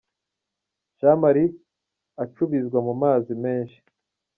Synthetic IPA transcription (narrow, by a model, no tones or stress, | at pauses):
ʒamaɾi | at͡ʃuβizɡwamumaːzime̞ːnʃi̥